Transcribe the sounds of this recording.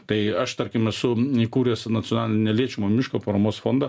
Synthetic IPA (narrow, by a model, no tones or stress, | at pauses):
t̪ɐɪɐʃt̪ɐɾʲkʲɪmɛsʊikuːɾʲeːsnɐt͡s̪ʲɪoɔnɑːlʲɪnʲnʲɛlʲiɛt͡ʃʲɛmomʲɪʃkoːpɐɾɐmoːsfoːnd̪ɐ